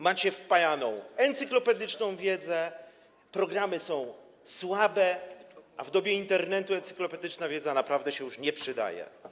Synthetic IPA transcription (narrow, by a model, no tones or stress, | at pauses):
mat͡ɕɛfpajanɔ̃w̃ɛnt̪sɘklɔpɛd̪ɘt͡ʂnɔ̃w̃vʲjɛd̪zɛ | pɾɔɡɾamɘsɔ̃w̃ | swabɛʔavd̪ɔbʲjɛint̪ɛɾnɛt̪uɛnt̪sɘ̥klɔpɛd̪ɘt͡ʂnavʲjɛd̪zanapɾavd̪ɛɕɛjuʂɲɛpʂɘd̪a̰jɛ̰